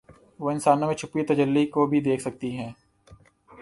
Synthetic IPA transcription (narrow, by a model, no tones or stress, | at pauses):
ʋoːɪnsaːnõmẽt͡ʃʰʊpit̪ɐd͡ʒəlːikobʱid̪eːkʰsɐk̚t̪iɦɛ̃ː